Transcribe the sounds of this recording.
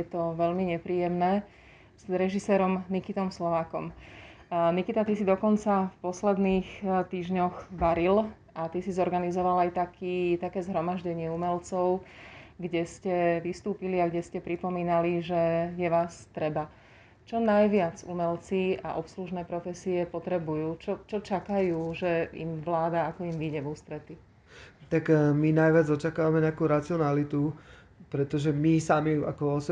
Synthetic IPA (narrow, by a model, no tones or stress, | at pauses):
ɛt̪ɔʋɛʎmiɲɛpɾiːjɛmnɛː | zɾɛʒisɛːɾɔmnikit̪ɔmslɔʋaːkɔ̰m | nikit̪at̪isid̪ɔkɔnt͡safpɔslɛd̪niːxt̪iːʒɲɔɣʋaɾil | ʔat̪isizɔɾɡanizɔʋalajt̪akʰiːt̪akɛːzɦɾɔmaʒɟɛɲɪɛumɛlt͡sɔʊɡɟɛscɛʋist̪uːpiliaɡɟɛscɛpɾipɔmiːnaliʒɛjɛʋaːst̪ɾɛba | t͡ʃɔnajʋɪad͡zṵmɛlt͡sia̰ʔɔpsluʒnɛːpɾɔfɛsiɛpɔt̪ɾɛbujuːt͡ʃɔt͡ʃɔt͡ʃakajuːʒɛḭmʋlaːd̪aakɔimʋiɟɛʋust̪ɾɛt̪i | t̪akminajʋɪad͡zɔt͡ʃakaːʋamɛɲɛakuːɾat͡siɔnalit̪u | pɾɛt̪ɔʒɛmisamia̰kɔɔsɛ